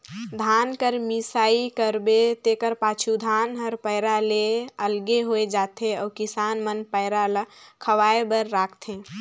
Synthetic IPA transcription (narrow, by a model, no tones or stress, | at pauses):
d̪ʱaːnkəɾmisaːikəɾbet̪eːkəɾpaːt͡ʃʰud̪ʱaːnɦəɾpəɪɾaleəlɡeɦoed͡ʒaːt̪ʰeɔːkɪsaːnmənpəɪɾalkʰəʋaːebəɾːaːkʰt̪ʰẽː